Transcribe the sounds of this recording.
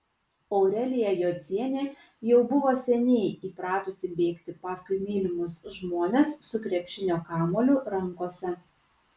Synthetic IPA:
ɔʊɾʲɛlʲɪjɛjoːzʲiɛnʲeː | jɛʊbʊʋoːsʲɛnʲɛɪiːpɾɑːt̪ʊsʲɪbʲeːkt̪ʲɪpɑːskʊɪmʲiːlʲɪmʊsʒmoːnʲeːsːʊkɾʲɛpʲʃʲɪnʲoːkɑːmoːlʲʊɾɐŋˑkoɔsʲɛ

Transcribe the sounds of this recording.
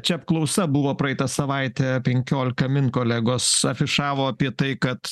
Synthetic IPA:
t͡ʃʲɛɐp̚klˠɐʊsɐbʊʋoːpɾɐɛɪt̪ɐsɐʋɐɪt̪ʲɛpʲɛŋʲkʲoːlʲɪkɐmʲɪnkoːlʲæɡoːsɐfʲɪʃɑːʋoːɐpʲiɛt̪ɐɪkɐt̪

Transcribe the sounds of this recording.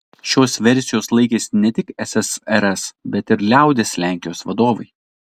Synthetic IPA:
ʃʲoːsʋʲɛɾʲsʲɪjoːslˠɐɪkʲeːsʲnʲɛt̪ʲɪkɛsʲɛsɛɾɛsbʲɛt̪ɪɾlʲæˑʊd̪ʲeːsʲlʲæːˑŋʲkʲɪjoːsʋɐd̪oːʋɐɪ

